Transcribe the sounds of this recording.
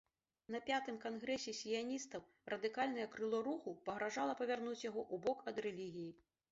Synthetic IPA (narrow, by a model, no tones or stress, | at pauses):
nɐpʲat̪ɨmkanɣɾɛsʲɛsʲijanʲist̪ɐw | rɐd̪ɨkalʲnɐjɐkɾɨlˠɔɾuxupɐɣɾaʐalˠɐpɐvʲarnut͡sʲjaɣɔʔubɔkɐd̪ɾɛlʲiɣʲiji